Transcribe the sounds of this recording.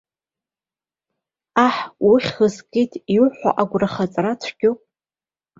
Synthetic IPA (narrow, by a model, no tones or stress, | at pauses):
aħwʊχʲxəskʼitʰiʊħʷa̰ʔaɡʷraχat͡sʼrat͡ʃʷʰɡʲopʼ